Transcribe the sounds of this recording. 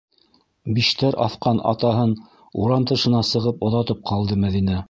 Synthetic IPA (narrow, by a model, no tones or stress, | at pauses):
biʃt̪æɾʔɑ̰θqɑnɑ̰t̪ɑɦɤn | uɾɑmt̪ɤ̆ʃɤ̆nɑsɤ̆ʁɤpŏðɑt̪ɤp̚qɑlˠd̪ɤmæðinæ